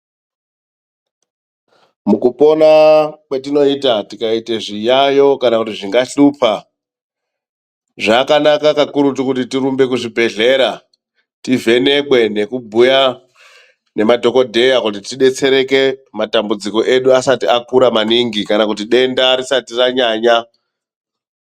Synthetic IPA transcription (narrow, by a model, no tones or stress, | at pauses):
mukupo̞nakwetino̞itatikaite̞ʐijajo̞kanakutiʐiŋɡaɬuːpa | ʐakanakakakuɾutikutitiɾumbe̞k̬uʐibʱe̞ɮe̞ɾa | tive̞ne̞kwe̞ne̞kubʱuja | ne̞madʱo̞ko̞dʱe̞jakutitiɗe̞t͡se̞ɾe̞ke̞matambud͡ziko̞ʔe̞ɗuasatiakuɾamaniŋɡikanakutiɗe̞ndaɾisatiraɲaːɲa